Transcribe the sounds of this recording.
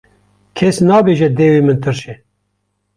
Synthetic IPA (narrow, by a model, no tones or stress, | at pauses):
kʰɛsnɑːbeːʒɛd̪eːwiːmɨnt̪ʰɨɾʃɛ